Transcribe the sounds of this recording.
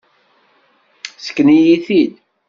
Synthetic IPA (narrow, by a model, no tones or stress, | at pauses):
sə̥kːnijiθid̪